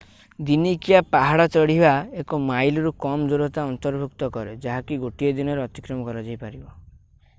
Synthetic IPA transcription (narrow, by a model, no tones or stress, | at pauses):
d̪inikijapaɦaɽat͡ʃɔɽ̤ibaekɔmajlɔɾukɔmd͡ʒoɾɔt̪aɔnt̪ɔɾbʱukt̪ɔkɔɾed͡ʒaɦakiɡoʈijɔd̪inɔɾeɔt̪i̥kɾɔmɔkɔɾad͡ʒajpaɾibɔ